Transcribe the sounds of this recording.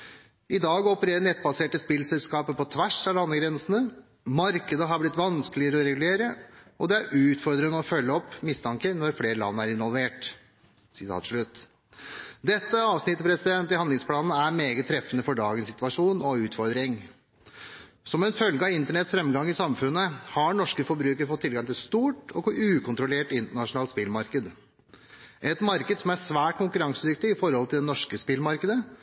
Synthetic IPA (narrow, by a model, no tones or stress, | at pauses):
ɪd̪ɑːɡɔpəɾeːɾənɛt̪̚ːbɑseːʈəspɪlsɛlskɑːpəpɔt̪ʰʋæʂɑɑnːəɡɾɛnsənə | mɑɾkəd̪əɦɑblɪt̪ːʋɑnskəlɪəɾəɔɾɛɡʉleːɾəɔd̪ɛæɾʔʉːt̪fɔɾd̪ɾəŋəɔfœlːəɔpːmɪst̪ʰɑŋkənɔɾfleːɾəlɑ̰nːæɾɪnʋɔlˠʋeːʈ | sɪt̪ʰɑ̰ːt̪ʂɭʉt̪ː | d̪ɛt̪ːəɑːʋsnɪt̪ːəpʰɾɛsɪd̪ɛnt̪ːɪhɑnd̪lɪŋspʰlɑːnn̩æɾmeːɡət̪ʰːɾɛfːənəfɔɖɑːɡənsɪt̪ʋɑʂuːnɔʉːt̪fɔɾd̪ɾɪŋ | sɔmɛnfœlɡəɑɪnt̪əɳɛt̪sfɾɛmɡɑŋːɪsɑmfʉnːəhɑɳɔʂkəfɔɾbɾʉːkəɾfɔt̪ʰːɪlɡɑŋt̪ɪlst̪uːʈɔkɔʉːkʰʊnt̪ɾʊleːʈɪnt̪əɳɑʂʊnɑːlt̪spɪlmɑɾkəd̪ | ʔɛt̪mɑɾkəd̪sɔmæsʋæːʈ̚kʊŋkʉɾɑŋsəd̪ʏk̚t̪ɪɪfɔɾhɔlt̪ʰɪld̪ɛnɔʂkəspɪlmɑɾkəd̪ə